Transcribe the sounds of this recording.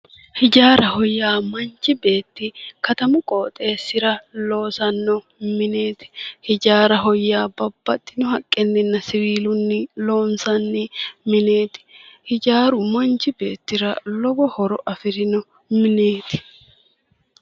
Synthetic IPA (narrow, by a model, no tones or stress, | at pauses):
hɪd͡ʒaːɾɐhɔjːaːmɐnt͡ʃːɪbe̞ːt̪ːɪkɐt̪ɐmʊkʼoːt̪ʼe̞ːsːɪɾɐlo̞ːsɐnːɔ | mɪne̞ːt̪ɪ̥hɪd͡ʒaːɾɐɦɔjːaːbɐbːɐt̪ʼːɪnɔhɐkʼːɛnːɪnːɐsɪwiːlʊnːɪlo̞ːnsɐnːɪmɪne̞ːt̪ɪ̥hɪd͡ʒaːɾʊmɐnt͡ʃɪbe̞ːt̪ːɪɾɐlɔbɔhɔɾɔʔɐfɪɾɪnɔ | mɪneːt̪ɪ̥